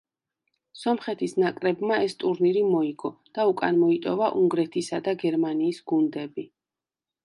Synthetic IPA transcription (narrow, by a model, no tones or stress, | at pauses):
sɔmχɛt̪ʰisnakʼɾɛbmaɛst̪ʼuɾniɾimɔiɡɔd̪̥aukʼa̰nmɔit̪ʼɔvaʔuŋɡɾɛt̪ʰisad̪aɡɛɾmaniːsɡ̥und̪ɛbi